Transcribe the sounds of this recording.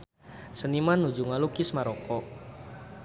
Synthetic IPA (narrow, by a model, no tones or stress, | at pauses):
sənimanːud͡ʒuŋalukismaɾɔkɔ